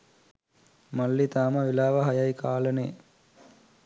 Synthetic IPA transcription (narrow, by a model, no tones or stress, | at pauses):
malːit̪aːməʋilaːʋəɦɐjɐjkaːləneː